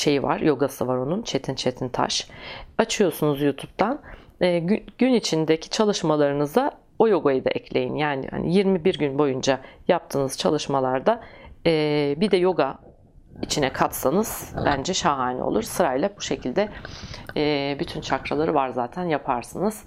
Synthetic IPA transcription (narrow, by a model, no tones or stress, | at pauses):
ʃe̞jiva̰ɾjo̞ɡasɯvaɾo̞nunt͡ʃʰe̞t̪ʰint͡ʃʰe̞t̪ʰint̪ʰa̰ʃat͡ʃʰɯjo̞ɾsunuzjuːt̪ʰup̚t̪ʰanː | ɟynit͡ʃʰind̪ecʰi̥t͡ʃʰalˠɯʃmalˠaɾɯnɯzd̪a | o̞jo̞ɡajɯd̪a̰ʔɛcʰlʲe̞jḭnjaːnḭha̰nʔḭjiɾmibiɾɟynbo̞jund͡ʒajap̚t̪ʰɯːnɯz̥t͡ʃʰalˠɯʃmalˠaɾd̪aɛːbid̪ɛjo̞ɡa | it͡ʃʰinɛkʰat̪sanɯz̥bænd͡ʒɛʃaɦaːnḭo̰lˠuɾsɯɾailʲɛbuʃe̞cʰilʲd̪ɛ | ɛːbyt̪ʰynt͡ʃʰakɾalˠaɾɯvaɾzaːt̪ʰænjapʰaɾsɯnɯz̥